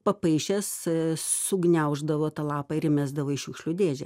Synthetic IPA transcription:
pɐpɐɪʃʲɛssʊɡnʲɛʊʒd̪ɐʋoːt̪ɐlˠɑːpɐɪɾʲɪmʲæzd̪ɐʋoːɪʃʲʊkʃʲlʲuːd̪ʲeːd͡ʒʲɛ̰

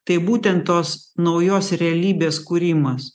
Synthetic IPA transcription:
t̪ɐɪbuːt̪ʲɛnt̪t̪oːsnɐʊjoːsɾʲɛɐlʲiːbʲeːskuːɾʲɪmɐs

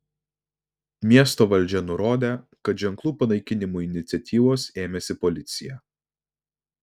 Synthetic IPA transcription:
mʲiɛst̪oːʋɐlʲˑd͡ʒʲɛnʊɾoːd̪ʲeː | kɐt̪ʒʲɛŋklˠuːpɐnɐɪkʲɪnʲɪmuːɪnʲɪt̪sʲɛt̪ʲiːʋoːseːmʲɛsʲɪpɔlʲɪt̪sʲɪjɛ

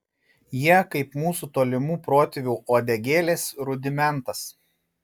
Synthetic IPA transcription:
jiɛkɐɪpmuːsut̪oːlʲɪmuːpɾoːt̪ʲɪʋʲuːʔoːd̪ʲɛɡʲeːlʲeːsɾʊd̪ʲɪmʲɛnˑt̪ɐs

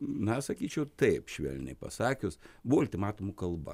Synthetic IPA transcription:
nɐsɐkʲiːt͡ʃʲɛʊt̪ɐɪpʃʲʋʲɛ̰lʲnʲɛ̰ɪpɐ̰sɑːkʲʊsbuʋoɐlʲt̪ʲɪmɑːt̪ʊmʊkɐlˠbɐ̰

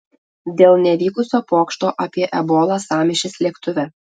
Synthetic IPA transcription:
d̪ʲeːlˠnʲɛʋʲiːkʊsʲoːpoːkʃt̪oːʔɐpʲiɛʔɛboːlˠɑːsɑːmʲɪʃʲɪslʲiɛkt̪ʊʋʲɛ

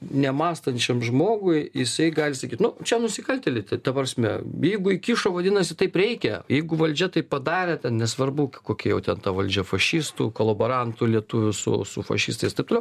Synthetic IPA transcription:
nʲɛmɑːst̪ɐnʲt͡ʃʲɛmʒmoːɡʊɪjɪsɐɪɡɑːlʲɪsɐkʲiːt̪nʊt͡ʃʲɛnʊsʲɪkɐlʲt̪ʲɛlʲɪt̪ʲɐt̪ɐpɐɾsʲmʲɛ̰jɛɪɡʊɪkʲiʃoːʋɐd̪ʲɪnɐsʲɪt̪ɐɪpɾʲɛɪkʲɛjɛɪɡʊʋɐlʲd͡ʒʲɛt̪ɐɪppɐd̪ɑːɾʲɛt̪ʲɛnnʲɛsʋɐrbʊkʲkoːkʲɛjɛʊt̪ʲɛnt̪ɐʋɐlʲd͡ʒʲɛfɐʃʲist̪ukolˠɐbɐɾɐnt̪ʊlʲiɛt̪ʊʋʲʊsʊ̰sʊ̰fɐ̰ʃʲɪ̰st̪ɐɪst̪ɐɪp̚t̪olɛʊ

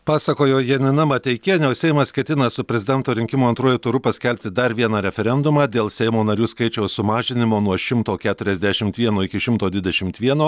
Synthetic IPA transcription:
pɑːsɐkoːjoːjɛnʲɪnɐmɐt̪ʲɛɪkʲeːnʲɛʊsʲɛɪmɐskʲɛt̪ʲɪnɐsʊpʲɾʲɛzʲɪd̪ʲɛnt̪oːɾʲɪŋʲkʲɪmoːɐnt̪ɾuɔjut̪ʊɾʊpɐsʲkʲɛlʲpʲt̪ʲɪd̪ɐɾʋʲiɛnɑːɾʲɛfʲɛɾʲɛnd̪ʊmɑːd̪ʲeːlˠsʲɛɪmoːnɐɾʲuːskɐɪt͡ʃʲɛʊsʊmɑːʒʲɪnʲɪmoːnuɔʃʲɪmt̪oːkʲæːt̪ʊɾʲɛzʲd̪ʲæʃʲɪmt̪ʋʲiɛnoːɪkʲɪʃʲɪmt̪oːd̪ʲʋʲɪd̪ʲɛʃʲɪmt̪ʋʲiɛnoː

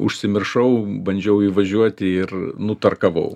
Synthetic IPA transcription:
ʊ̰ʃʲsʲɪmʲɪrʃɐʊbɐnʲd͡ʒʲɛʊiːʋɐʒʲuɔt̪ʲɪɪrnʊt̪ɐrkɐʋɐ̰ʊ

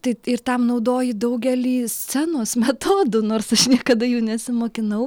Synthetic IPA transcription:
t̪ɐɪɪrt̪ɐmnɐʊd̪oːjɪd̪ɐʊɡʲɛlʲiːsʲt͡sʲænoːsmʲɛt̪oːd̪ʊːnoːrsɐʃnʲiɛkɐd̪ɐjuːnʲɛsʲɪmoːkʲɪnɐʊ

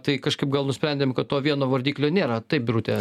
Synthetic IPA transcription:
t̪ɐɪkɐʃkɐɪp̚ɡɐlˠnʊsʲpʲɾʲɛnʲdʲeːmkɐt̪t̪oːʋʲiɛnoːʋɐrʲd̪ʲiːklʲoːnʲeːɾɐt̪ɐɪp̚bʲɾut̪ʲe

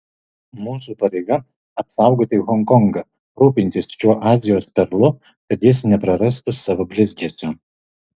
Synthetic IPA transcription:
muːsuːpɐɾʲɛɪɡɐ | ɐpsɑˑʊɡoːt̪ʲɪɣɔŋkɔŋɡɐ | ɾuːpʲɪnʲt̪ʲɪsʃʲuɔʔɑːzʲɪjoːspʲɛɾlˠʊ | kɐt̪jɪsnʲɛpɾɐɾɐst̪ʊsɑːʋobʲlʲɪzʲɡʲɛːsʲoː

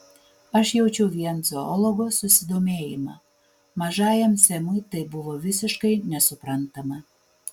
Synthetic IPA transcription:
ɐʃjɛʊt͡ʃʲɛʊʋʲiɛnzoɔlˠɔɡosʊsʲɪd̪oːmʲeːjɪmɐ̰ | mɐʒɑːjɛmsʲɛmʊjt̪ɐɪbʊʋoːʋʲɪsʲɪʃkɐɪnʲɛsʊpɾɐnt̪ɐmɐ

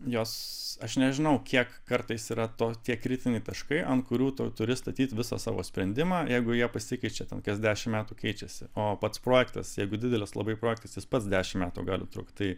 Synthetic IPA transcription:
joːsɐʃnʲɛʒʲɪnɐʊkʲiɛkkɐrt̪ɐɪsiːɾɐt̪oːt̪ʲiɛkɾʲɪt̪ʲɪnʲɛɪt̪ɐʃkɐɪʔɐntkʊɾʲuːt̪ʊt̪ʊɾʲɪst̪ɐt̪ʲiːt̪ʲʋʲɪsɑ̰ːsɑ̰ːʋo̰ːsʲpʲɾʲɛnʲd̪ʲɪmɑːjɛɪɡʊjiɛpɐsʲɪkɐɪt͡ʃʲɛt̪ʲɛnkɐsd̪ʲæːʃʲɪmmʲæːt̪uːkɛɪt͡ʃʲɛsʲɪ̰oːpɐt̪spɾoːjɛkt̪ɐ̰sjɛɪɡʊd̪ʲɪd̪ʲɛlʲɪslˠɐ̰bɐɪpɾoːjɛk̚t̪ɐsjɪspɐt̪sd̪ʲæːʃʲɪmmʲæːt̪ṵɡɑːlʲɪ̰t̪ɾʊ̰kt̪t̪ɐɪ

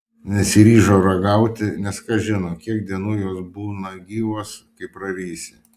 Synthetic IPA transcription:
nʲɛsʲɪɾʲiːʒoːɾɐɡɐʊt̪ʲɪnʲɛskɐʒʲɪnoːkʲiɛk̚d̪ʲiɛnuːjoːsbuːnɐɡʲiːʋoːskɐɪpɾɐɾʲiːsʲɪ

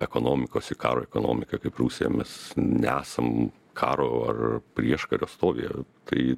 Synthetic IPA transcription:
ɛkoːnoːmʲɪkoːsɪkɑ̰ːɾoːɛkoːno̰ːmʲɪkɐkɐɪpruːsʲɛjɛ̰mʲɛsnʲɛæːsɐm | kʰɑːɾoːɐ̰rpʲɾʲiɛʃkɐɾʲo̰ːst̪oːʋʲḛjɛt̪ʰɐɪ

